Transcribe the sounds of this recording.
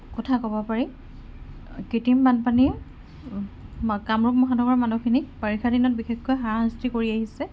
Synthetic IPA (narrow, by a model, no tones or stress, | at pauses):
kɔtʰakɔbɔpaɹi | kitimbanpaniɛ | kamɹuk̚mɔɦadʱɔɡɔɹmanukʰinipaɹixʰadinɔt̚bixexːojɦaɹaɦãstikoɹiaɦisɛ